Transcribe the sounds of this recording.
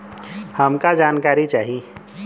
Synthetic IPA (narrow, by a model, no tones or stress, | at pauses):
həmkad͡ʒaːnkaːɾit͡ʃaːɦie